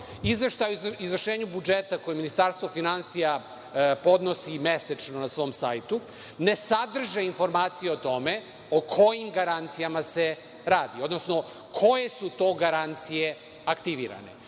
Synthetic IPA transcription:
izʋeʃt̪ajuizʋvər̩ʃeːɲubud͡ʒet̪ako̞jeminist̪aɾst̪ʋofinansija | po̞d̪nosimeset͡ʃnonasʋo̞msajt̪u | ne̞sad̪r̩ʒeinfo̞ɾmaːt̪sijeot̪o̞me̞ | okʰo̞jimɡaɾant̪sijamase̞ | ɾaːd̪io̞d̪nosno̞ | kʰo̞je̞sut̪o̞ːɡaɾant̪sije̞ | akt̪iʋḭːɾa̰ne̞̰

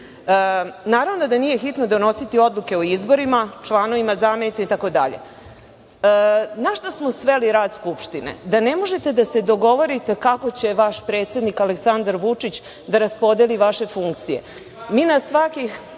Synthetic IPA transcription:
naːɾaʋnod̪anije̞xit̪no̞d̪o̞no̞sit̪io̞d̪lˠuke̞oizbo̞ɾimat͡ʂlˠano̞ʋimazaːmenit̪simit̪ako̞d̪a̰ʎḛ | naʃt̪osmo̞sʋe̞liɾaːd̪skupʃt̪inḛd̪ane̞mo̞ʒe̞t̪e̞d̪ase̞d̪o̞ɡo̞ʋo̞ɾit̪e̞kako̞t͡ɕe̞ʋaʃpɾe̞ːt̪se̞d̪nikaleksand̪aɾʋut͡ʂit͡ɕ | d̪aɾaspo̞d̪e̞liʋaʃe̞fuŋkt̪sije̞̰ | miːnasʋakix

